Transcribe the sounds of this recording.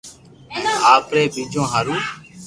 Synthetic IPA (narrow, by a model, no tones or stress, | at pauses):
ɛ̃ːaːpɾeːbiːd͡ʒõːɦaːɾũː